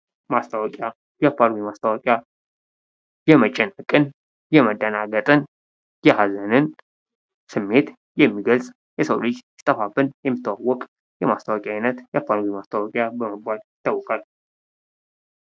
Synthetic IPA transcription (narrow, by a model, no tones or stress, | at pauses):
mast̪ʰawɔkʼja | japʰːaɾwimast̪ʰəwɔkʼja | jɛmət͡ʃʼːɛnːəkʼɨn | jɛməd̪ənaɡət̪ʼɨn | jɛhazənɨn | sɨmːe̞t̪ | jɛmːiɡəlsʼ | jɛsəwlɨt͡ʃsɪ̥t̪ʼːəfabɨnjɛmːɨt̪ʰːəwawːɔkʼ | jɛmast̪ʰawɔkʼjaajnət̪japʰːaɾwimast̪ʰawɔkʼjabəməbaljɪt̪ʰːəwːɔkʼal